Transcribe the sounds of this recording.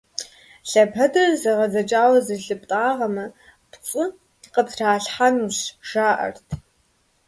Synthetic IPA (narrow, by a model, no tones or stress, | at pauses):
ɬɐpʰɐdɐrzɐʁɐzɐt͡ʃʼaːwɐzɨɬɨptʼaːʁɐmɐ | tɕʷʼʊ | qəpraːɬħanuɕʒ̥aːʔɐ̰rtʰ